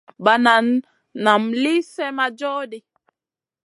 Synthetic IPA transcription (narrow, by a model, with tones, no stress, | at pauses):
ba˨na˨nː | a˨mli˦sɛ˦ma˦d͡ʒɔː˦di˦